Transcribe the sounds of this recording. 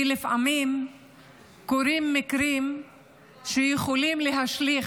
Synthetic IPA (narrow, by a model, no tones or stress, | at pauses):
lifʔamim | koɾimːikɾim | ʃejeχolimleɦaʃli